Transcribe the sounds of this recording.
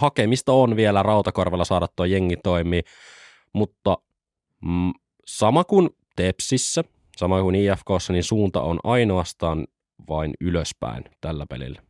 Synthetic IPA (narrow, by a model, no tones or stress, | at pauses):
hɑkemist̪ɑonʋielærɑwt̪ɑkorʋelːɑsɑːɾɑt̪ːuɑjeŋːit̪o̞imiː | mut̪ːɑ | sɑmɑkun | t̪epsisːæ | sɑmɑkuniːefkoːsːɑninsuːnt̪ɑ̰o̰nɑjnoɑst̪ɑːn | ʋɑinyløspæ̰int̪ælːæpḛlḭlːæ